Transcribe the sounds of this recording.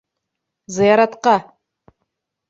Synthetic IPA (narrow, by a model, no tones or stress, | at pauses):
zɨjaɾat̪qɑ